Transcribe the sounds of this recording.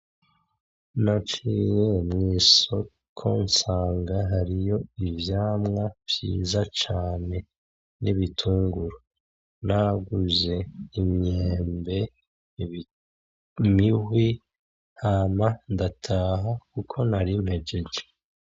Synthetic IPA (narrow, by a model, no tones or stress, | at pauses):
nat͡ʃiɾemŋiːso̞ | kʰo̞̰nsaːŋɡaɦaɾijo̞ivjaːmŋav̥jḭːzat͡ʃaːne̞ | niβitʰuːŋɡuɾo | naɡuze̞imɲeːmbe̞ | miɦwi | hamandatʰaːɦakukʰo̞naɾimhe̞ɟeɟe